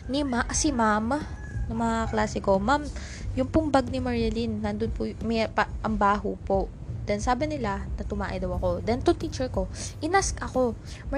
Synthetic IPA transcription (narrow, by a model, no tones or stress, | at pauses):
nɪmaʔsɪmam | nɐmɐŋaklaːsɛko̞mam | jʊŋpʊmbaɡ̚nɪmɐɹɐlinːand̪onpʊmɛpɐʔɐmbaːɦʊpo̞ʔ | d̪̥ɛnsaːbɪnɪlanɐt̪ʊmaːʔɛd̪ɐwɐko̞d̪ɛnt̪ʊŋt̪iːt͡ʃɛɹko̞ʔɪnaskɐko̞ | m